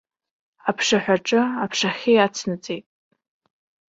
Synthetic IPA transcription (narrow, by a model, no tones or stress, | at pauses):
apʰʂaħᶣʷaʈ͡ʂʼɨapʰʂaχʲijat͡sʰnɨt͡sʼejtʼ